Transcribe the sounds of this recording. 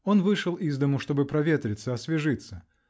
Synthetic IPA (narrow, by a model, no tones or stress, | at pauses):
o̞nvɨʂɨlˠizd̪əmʊʂt̪o̞bɨpɾɐvʲet̪ɾʲɪt̪sːəɐsvʲɪʐɨt̪sə